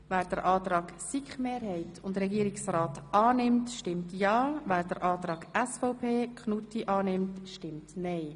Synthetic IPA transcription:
væːɾd̥əɾʔɑːtɾɑːɡ̥sikχmeːɾhɛɪtʰʊndɾɛɡiəɾɪksɾaːtɑːnɪmtʃtɪmtjɑːvæːɾd̥əɾʔɑːt̪ɾɑːɡ̥ɛsfɔʊpʰeːkʰχnutiʔɑːnɪmtʃtɪmtnɛɪ

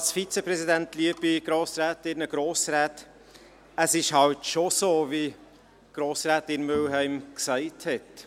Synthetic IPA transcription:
ɑlsfit͡səpɾɛsidæntliəb̥iɡ̥ɾoːsɾæːtɪɾnəɡ̥ɾoːsɾæːt | əsɪʃhɑltʃosoːvi | ɡ̥ɾoːsɾaːtɪnmølɦæɪmksæɪthɛt

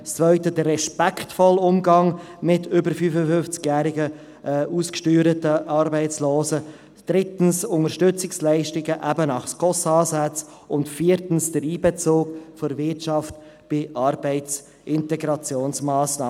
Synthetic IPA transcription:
st͡svœʏtədərːɛʃpɛktfɔlʊmɡɑŋmɪtʏbəɾfyfəfʏnft͡skjæːɾɪɡə | ʔʔuːskʃtyːɾətəʔɑɾbɛɪt͡sloːsə | d̥ɾɪtn̩sʊŋəʃtʏt͡sɪkslæɪʃtɪɡəʔæbənɑχskʰɔsɑːzæt͡s | ʊntfiːɾtn̩sd̥əɾiːbɛt͡soːkfɔɾvɪtʃɑft | b̥ɪʔɑɾbɛɪt͡s | ʔɪntɛɡɾɑt͡sjoːnsmɑːsnɑː

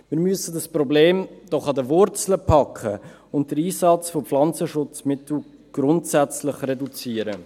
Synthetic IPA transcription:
mɪːɾmyəsədəspɾɔbleːmd̥ɔχɑdəvʊɾt͡sləpʰɑkʰχə | ʊnt̚d̥əɾiːsɑt͡sfopflɑnt͡səʃʊt͡smɪtl̩ | ɡ̥ɾʊntsɛt͡slɪχrɛdut͡siːəɾə

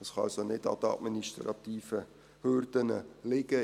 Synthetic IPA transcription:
əsχɑɑ̰lsonɪdɑ̰d̪əɑ̰dminiʃtɾɑ̰t̪iːfə | hʏrdənə̰lɪɡ̥ə

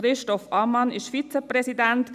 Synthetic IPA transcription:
ɾɪʃtɔfɑmɑnɪʃfit͡sɛpɾɛsidɛnt

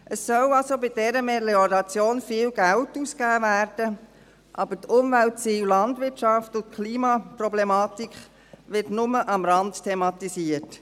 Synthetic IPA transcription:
ʔəsːœlɑlsobɪd̥ɛɾəmeliɔɾɑt͡sjoːnfiːlɡ̥æltuːskæːvæːɾd̥ə | ʔɑbətʰʊmʋæltt͡siːwlɑndʋɪtʃɑftʊnt̚kʰliːmɑpɾɔblemɑːtikχ | ʋɪtnʊməʔɑmɾɑnttʰemɑtisiət

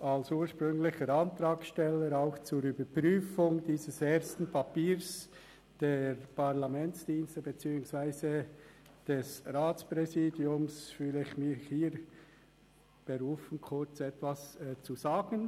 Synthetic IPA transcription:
alsuːʃpʁʏŋlɪçəɾɑntɾaːksʃtɛlːəɾaʊxt͡suɾyːbəpʁyːfʊŋdiːzəseːɾstn̩pʰapiːɾs | d̥eːɾpaʁlamɛnt͡sd̥iːnstəbet͡siːʊŋsv̥aɪzə | d̥ɛsʁaːt͡spʁɛziːdjʊmsfyːləɪçmɪχhiːɾ | b̥eɾuːfən̩kʰʊɹt͡sɛtv̥ast͡suzaːɡən

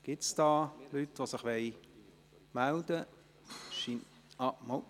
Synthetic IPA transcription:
ɡ̥ɪtsd̥ɑːlytʋosɪχʋɛj | mæld̪ə | ʃin | ɑmɔ

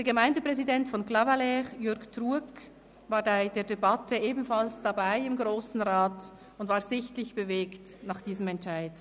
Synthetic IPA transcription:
d̥ɛɐɡəmaɪndəpʁ̥ɛzidɛntfɔnklavalɛʁjʏɾɡtʁuːɐk | vaːɐdaɪd̥eːɐdebatəʔeːbn̩falsd̥abaɪɪmɡʁoːsn̩ʁaːt | ʊndvaːɐzɪçtlɪçb̥əveːktnaχd̥iːzəmɛntt͡ʃaɪt

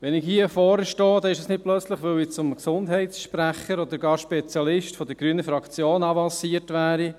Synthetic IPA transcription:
ʋɛnɪkhiəfɔːɾəʃtɔːd̪ɛɪʃəsnɪt̚plœt͡sləχʋɵwɪt͡sʊmksʊndɦɛɪtsʃpɾæχəɾɔd̪əɾɡɑːɾʃpɛt͡sjɑlɪʃtfɔd̥̪əɾɡ̥ɾyːnəfɾɑkt͡sjoːnɑvɑnsiətʋæːɾi

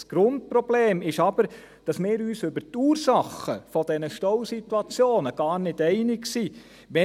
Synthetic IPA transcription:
sɡ̥ɾʊnt̚pɾɔb̥leːmɪʃɑbəɾ | d̥ɑsmɪːɾyːsʏbəɾtuːrsɑχəfɔdɛnəʃtɔwsitwɑt͡sjoːnəɡ̥ɑːɾnɪdɛɪnɪksi | ʋɛ

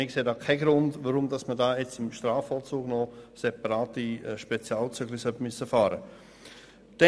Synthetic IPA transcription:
ɪkseːdaːkʰaɪɡɾʊndvaɾʊmdɑsmədaːɛt͡sɪmʃtɾaːfɔlt͡suːɡ̥nɔsɛpɑɾaːtiʃpɛt͡sjaːlt͡syɡlisœbmysəfaːɾə | d̥ɛ

